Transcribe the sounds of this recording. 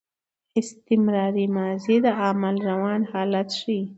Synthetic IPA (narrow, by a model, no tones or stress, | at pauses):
ɪst̪ɪmɾɑːɾimaːzid̪əamalɾawɑːnhɑːlat̪ʃi